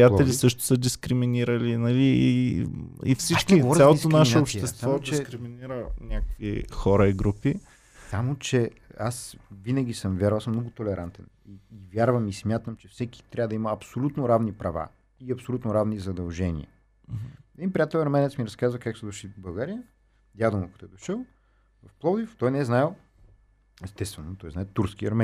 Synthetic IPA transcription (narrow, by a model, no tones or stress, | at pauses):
pɾijatɛlisɤʃt̪o̥səd̪iskɾiminiɾəlinɐlii | ḭfsit͡ʃkiɔɾsalˠoisonaʃɛaopʃt̪ɛst̪vavɔɛskɾiminiɾənʲakəkvixɔɾəiɡɾupi | samot͡ʃɛasvinəɡ̟ʲisəmvʲjaɾvˠasəmnɔɡʊt̪olɛɾʔant̪ɛn | iːvʲjaɾvəmismʲjat̪əmt͡ʃɛfsɛki̥t̪ɾʲabəd̪ɐimɐːpsolʲut̪noɾavnipɾɐva̰ | iɐpsolʲut̪noɾavnizɐd̪ɐlˠʒɛnḭə̰ | ɛd̪inpɾʲijat̪ɛlʲˠɐɾmɛnɛt̪smiɾɐskazvəkaksɛd̪oʃibɐlˠɡaɾijə | d̪jad̪omɐkɐt̪ɔɛd̪oʃəlˠ | vɐfplˠɔd̪ift̪ɔjnɛɛznaɛ | ɛst̪ɛst̪vɛnot̪ɔjznaɛt̪uɾskiɐ̰ɾmɛ